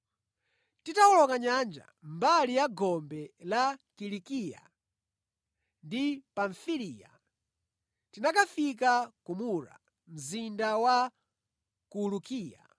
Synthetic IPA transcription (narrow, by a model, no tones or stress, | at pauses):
titawɔlɔkaɲand͡ʒa̰mbalijaɡɔmbɛlakilikija̰ | ndipaɱfilija̰ | tinakafik̬akumuɾa̰ | m̩zindawa | kulukiːja̰